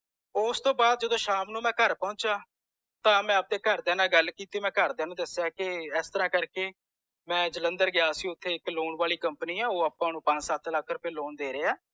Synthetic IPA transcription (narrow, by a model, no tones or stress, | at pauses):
ʊst̪õːbaːd̪̚d͡ʒəd̪õːʃaːmnũːmɛ̃ːkəɾpɔ̃ʊt͡ʃaː | t̪ãːmɛ̃ːəp̚d̪eːkəɾd̪ɛːnãːɡəlkiːt̪iːmɛ̃ːkəɾd̪ɛːnũːd̪ɪsːejaːkɪɛːst̪əɾãːkəɾkeː | mɛ̃ːd͡ʒələnd̪əɾɡɪjaːsĩːʊt̪ʰːeːɪkloːɳʋaːliːkəmpniːɛːoːəpːãːnũːpə̃d͡ʒsət̪ʰləkʰːɾʊpẽːloːnd̪eːɾeːɛː